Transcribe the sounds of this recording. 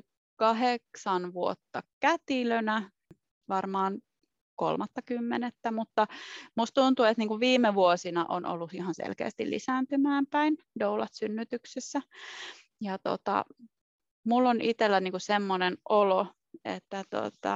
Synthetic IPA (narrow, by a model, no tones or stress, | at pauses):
kɑɦeksɑnʋuo̰t̪ːɑkæt̪ilønæ | ʋɑrmɑːn | ko̰lmɑt̪ːɑkymːenet̪ːæmut̪ːɑmust̪t̪unt̪uet̪niːŋkuʋʋiːmːeʋuosinɑʔo̰nʔo̰lːusihɑnsḛlkḛːst̪ḭlḭsæːnt̪ymæːmpæindoulɑt̪synːyt̪yksesːæ | jɑt̪o̰t̪ɑ̰ | mulːonit̪elːæniːŋkusemːonenʔolo | ḛt̪ːæt̪o̰t̪ɑ̰